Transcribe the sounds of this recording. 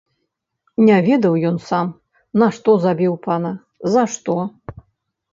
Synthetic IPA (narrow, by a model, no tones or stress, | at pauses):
nʲavʲɛd̪ɐwjɔnsam | nɐʂt̪ɔzabʲiwpanɐ | zɐʂt̪ɔ